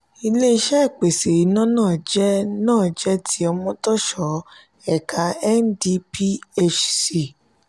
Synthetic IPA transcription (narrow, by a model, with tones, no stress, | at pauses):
i˧le˦i˧ʃɛ˦˨k͡pe˨se˨ɾi˨˦nã˦nãː˦˨d͡ʒɛ˦nãː˦˨d͡ʒɛ˦tʰi˦ɔ˧mɔ̃˧tɔ˦ʃɔ˨˦ | ɛ˨kʰa˧ɛ˦n˦di˧pi˦e˦t͡ʃsi˨